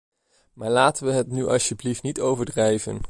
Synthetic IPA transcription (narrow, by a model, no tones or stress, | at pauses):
maːɹlaːtəʋəɦətnyʔɑ̰səbliftnitowvəɹdrɛjvə̰n